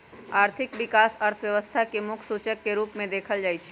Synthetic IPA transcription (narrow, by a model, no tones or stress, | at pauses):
aɾt̪ʰɪkʋikasəɾt̪ʰəʋjəʋəst̪ʰakemʊkʰsut͡ʃəkːeɾupmẽd̪ekʰəld͡ʒaːjt͡ʃʰ